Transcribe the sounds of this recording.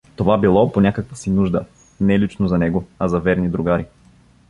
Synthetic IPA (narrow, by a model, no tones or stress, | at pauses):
t̪ovabilˠɔponʲakəkvəsinuʒd̪ə | nɛlit͡ʃnozɐnɛɡoɐzɐvɛɾnid̪ɾuɡaɾi